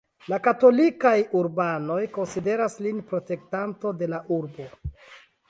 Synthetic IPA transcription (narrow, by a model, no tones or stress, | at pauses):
lakato̞likajuɾbano̞jko̞nside̞ɾaslinpɾo̞te̞ktanto̞de̞laʔuɾbo̞